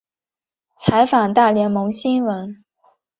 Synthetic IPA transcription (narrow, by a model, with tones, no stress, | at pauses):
t͡sʰa˧˥ɪfa˨˩ŋt̪a˥˩ljɛ˧˥nmo˧˥ŋɕi˥nwə˧˥n